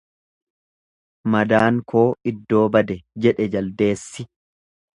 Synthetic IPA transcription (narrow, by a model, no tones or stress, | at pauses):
mɐd̪aːŋkʰo̞ːɪd̪ːo̞ːbɐd̪ɛd͡ʒɛᶑɛd͡ʒɐld̪e̞ːsːɪ